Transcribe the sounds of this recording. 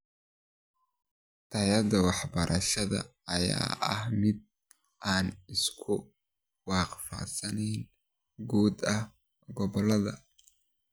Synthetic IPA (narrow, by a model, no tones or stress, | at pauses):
t̪ʰɐjɐd̪ɐwɑħbɐɾʔɐʃɐðɐ̰ɐja̰ːʔɐhmɪd̪̚ | ʔaːnɪskʰʊ | wɑːqfɑ̰sɐnɛjn | ɡuːd̪ɐh | ɡɔβɔlɐðɐ̰